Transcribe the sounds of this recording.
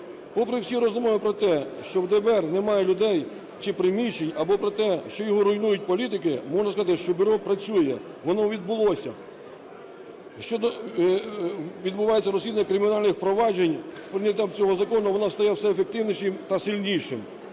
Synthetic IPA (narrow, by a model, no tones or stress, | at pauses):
pɔpɾɪwsʲiɾɔzɔmɔjʊpɾɔt̪ɛʃt͡ʃɔwd̪ɛbɛrnɛmɑjɛlʲʊd̪ɛj | t͡ʃɪpɾɪmʲiʃenʲɐbɔpɾɔt̪ɛʃt͡ʃɔjɔɦɔɾʊjnujʊt̚ʲpɔlʲit̪ɪkɪmɔʐnɐskɐzɑt̪ɪʃt͡ʃɔbʲʊɾɔpɾɐt͡sʲujɛ | ʋɔnɔʋʲid̪bʊlˠɔsʲɐ̰ | ʃt͡ʃɔd̪ɔ | ʋʲid̪bʊʋɑjet͡sʲːɐɾɔzʲlʲid̪ɐnʲːɐkɾɪmʲinɑlʲnɪxpɾɔʋɑd͡ʒenʲ | pɾɪnʲɐt̪ʲamt͡sʲɔɦɔzɐkɔnʊʋɔnɑst̪ɐjɛwsɛefek̚t̪ɪwnʲiʃɪmt̪ɐsɪlʲnʲijʃɪm